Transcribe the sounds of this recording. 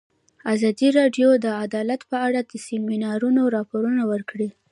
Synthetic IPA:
azɑd̪iɾɑɖjod̪əad̪ɑlat̪pəaɽad̪əsɪminɑɾunoɾɑpoɾunawəɾkɽi

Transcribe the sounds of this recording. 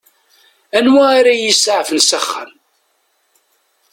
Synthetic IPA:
ænwæiɾajisʕfənsæχːə̰n

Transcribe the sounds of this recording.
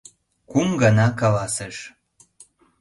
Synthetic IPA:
kumɡɑnɑkɑlɑsəʃ

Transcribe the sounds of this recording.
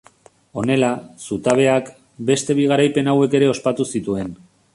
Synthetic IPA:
o̞ne̞lasut̪aβe̞ak | be̞st̪e̞β̞iɣ̞aɾajpe̞nawe̞ke̞ɾe̞o̞spat̪usit̪ue̞n

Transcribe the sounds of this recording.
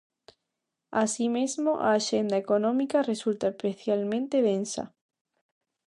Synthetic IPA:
asimezmoʔa̰ːʃend̪aekonõmikaresult̪apɾeθjalmẽnt̪eð̞ẽnsa̰

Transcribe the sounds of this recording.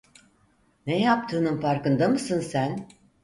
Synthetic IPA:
nejap̚t̪ʰɯːnɯnfaɾkɯnd̪amɯsɯnsæn

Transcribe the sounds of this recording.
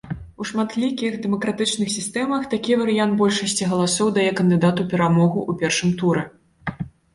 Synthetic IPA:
uʂmat̪lʲikʲixd̪ɛmɐkɾat̪ɨt͡ʂnɨxsʲist̪ɛmɐxt̪akʲivɐɾɨjant̪̚bɔlʲʂɐsʲt͡sʲiɣɐlˠasɔwd̪ajɛkɐnd̪ɨd̪at̪upʲɛɾamɔɣuʔupʲɛrʂɨmt̪uɾɛ

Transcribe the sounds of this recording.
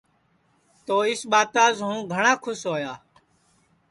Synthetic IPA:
t̪oːɪsɓaːt̪aːzɦũːɡʱəɳãːkʰʊsɦoːjaː

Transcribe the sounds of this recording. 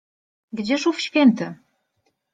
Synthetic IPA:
ɡd͡ʑeʃufɕkent̪ɘ̆

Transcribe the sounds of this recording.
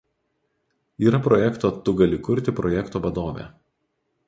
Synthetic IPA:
iːɾɐpɾɔjɛkt̪oːt̪ʊɡɐlʲɪkʊɾʲt̪ʲɪpɾɔjɛkt̪oːʋɐd̪oːʋʲḛː

